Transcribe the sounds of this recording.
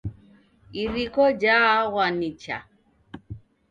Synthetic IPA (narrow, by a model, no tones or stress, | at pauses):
iɾikɔd͡ʒaɣwanit͡ʃa̰